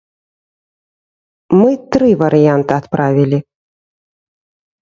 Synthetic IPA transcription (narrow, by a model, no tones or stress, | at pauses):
mɨt̪ɾɨvɐɾɨjant̪ɨat̪pɾʔavʲilʲi